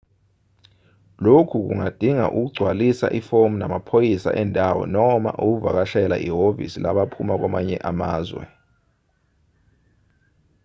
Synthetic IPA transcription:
lokʰuk̬uŋad̥ʱiŋa̰ʔuk̬uɡ͡ǀʱwalisa̰ʔifomunamapʰojisa̰ʔɛndʱawɔ̰nɔma̰ʔuk̬uva̰k̬aʃɛlaʔiɦovḭsilaɓapʰumak̬wamaɲɛʔamaːzwɛ̰

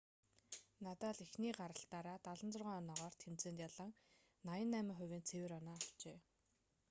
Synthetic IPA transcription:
nat̪aːɮixniːɢaɾə̆ɬt̪aːɾaːt̪aɮə̆nt͡sʊrʁaːnːnɔʁɔːr̥t̪ʰemt͡seːnt̪jaɮə̆ŋ | najə̆nːæːmʲɪ̆ŋχʊwʲeːnt͡sʰewĕːɾɔnaːaw̥t͡ɕeː

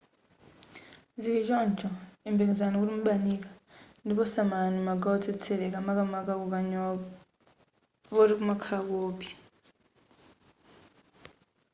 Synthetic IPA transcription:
zikid͡ʒɔnd͡ʒɔimbiŋizanikuɾimuɓanikḁndipɔsamanimaɡaɔt͡sʰɛt͡sʰɛɾɛkamakamakakukaɲ | βɔɾikumakʰakoːpi̥

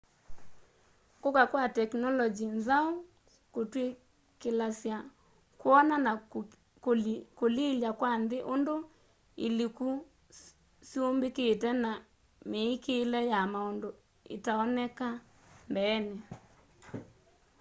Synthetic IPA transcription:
kokakwatɛknɔlɔd͡ʒinzao | kotwe | kelasja | kwɔnana | koleljakwanðeʔondo | eliku | siombeketɛna | meːkelɛjamaondo | ḛtaɔnɛka | mbɛːne

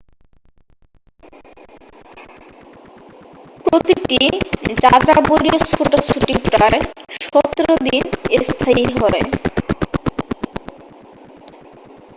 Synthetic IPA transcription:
pɾot̪iʈid͡ʑad͡ʑaboɾiosfoʈosfuʈikpɾaeʃɔt̪ːɾod̪inest̪ʰaiɦɔe

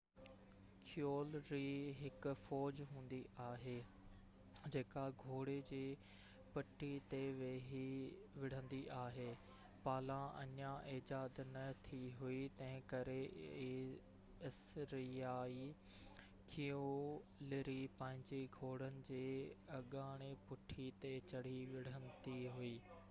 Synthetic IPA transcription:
kʰɪjoːlɾiɦɪkʊfɔːd͡ʑɦũːn̆d̪iʔaːɦeː | d͡ʑeːkaɡʱoːɽed͡ʑeː | pɐʈʰːit̪eʋeɦiʋɪɽ̤ə̃nd̪iʔaːɦeː | paːlãɐ̰ɲãʔɪːd͡ʑaːd̪nɐt̪ʰiɦuit̪ɐ̃ɦɪ̃kɐɾe | ɪsɾɪjaːi | kʰijolɪɾipɐ̃ɦɪ̃ɲd͡ʑeɡʱoːɽ̤ənɪ̆d͡ʑeːɐɠaːɽ̃epʊʈʰit̪et͡ɕɐɽ̤iʋɪɽ̤ə̃nd̪iɦuiː

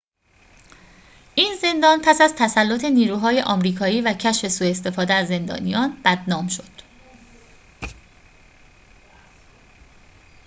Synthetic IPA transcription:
ʔiːnze̞nd̪ɒːnpʰæsæzt̪ʰæsælːot̪ʰe̞niːɾuːɦɒːje̞ʔɒːmɾiːkʰɒːiːvæcʰæʃfe̞suːe̞st̪e̞fɒːd̪eæzːe̞nd̪ɒ̰ːnijɒːnb̥æd̪nɒːmʃo̞d̪̥

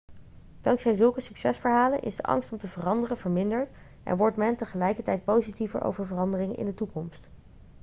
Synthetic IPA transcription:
d̥ɑŋksɛjzɵlˠkəsyksɛsfəɹɦaːlə̰nʔɪ̰zdəʔɑ̰ŋstɔmtəvərɑndərənvəɹmɪndəɹt | ʔɛ̰nʋɔɹtmɛntəχəlɛjkəɹtɛjt̚powzitivə̰ɹʔo̰wvəɹvərɑndərɪŋənʔɪ̰ndətukɔmst

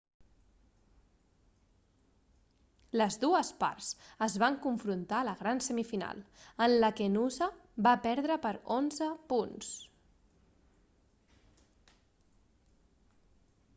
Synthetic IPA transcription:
ləzðuəspa̰ɾsəzβaŋkuɱfɾunt̪aləɣɾansəmifina̰lˠənləkenuzəbapɛɾðɾəpəɾonzəpuns

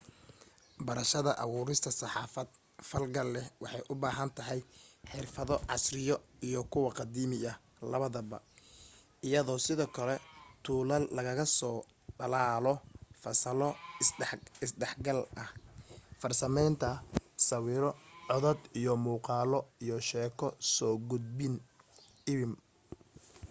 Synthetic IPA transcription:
bɐɾɐʃɐðɐʔɐwuːɾɪst̪ʰɐsɑħɑːfɐd̪̥̚ | fɐlɡɐlːɛwɑħɑjʔʊbaːɦɐnt̪ʰɐɦɛjħɪrfɐðɔʕɑ̰srɪjɔijɔkʰʊwɑqɑd̪iːmɪʔɐ | lɐβɐðɐbɐ̰ | ɪjɐðɔːsɪðɔːkʰɐlɛt̪ʰuːlɐllɐɣɐɣɐsɔː | ɖɐlaːlɔfɐsɐlɔ | ɪsɖɛħɡɐlʔɐhfɐrsɐmɛjnt̪ʰɐsɐwiːɾɔʕɔðɐd̪ijɔmuːqɑːlɔijɔʃɛːkʰɔsɔːɡʊd̪̚bɪn | ɪβɪm

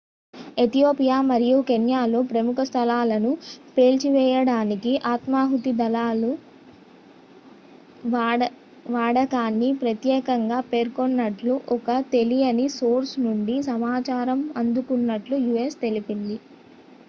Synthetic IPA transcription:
e̞t̪ijoːpijaːmɐɾijukenjaːloːpɾɐmukʰɐst̪ʰɐlaːlɐnupe̞ːlt͡ʃiʋɛːjɐɽaːnikiʔaːt̪maːɦut̪id̪ɐlaːlu | ʋaːɽɐkaːnːipɾɐt̪jɛːkɐŋɡaːpe̞ːɾkonːɐʈluʔɔkɐt̪e̞lijɐnisoːɾsnuɳɖisɐmaːt͡ʃaːɾɐmɐnd̪ukunːɐʈlujuːest̪e̞lipind̪i

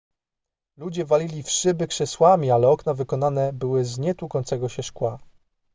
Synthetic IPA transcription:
lud͡ʑɛvalʲilʲifʂɘbɘkʂɛswamʲialɛɔknavɘkɔnanɛbɘwɘzɲɛt̪ukɔnt̪sɛɡɔɕɛʂkwa

